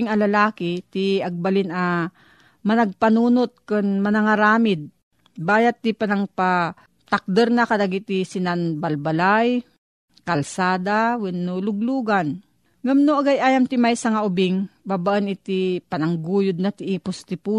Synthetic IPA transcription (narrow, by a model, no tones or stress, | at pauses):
ŋɐlɐlaːkɪt̪iɐɡ̚balɪna | mɐnɐɡ̚pɐnuːnot̪̚kɨnmɐnɐŋaɾaːmɪd̪̚ | baːjat̪ːɪpanaŋpa | t̪ak̚d̪ɛɾnakɐlaɡit̪isɪnanbalbalaj | kɐlsaːd̪awɪnːolʊɡ̚luːɡan | ŋamnoʔaɡajʔaːjamt̪ɪmajsɐŋaʔʊbɪŋbaːbaʔɐnɪt̪ipɐnaŋɡuːjʊd̪̚nɐt̪ɪʔipʊst̪ɪpu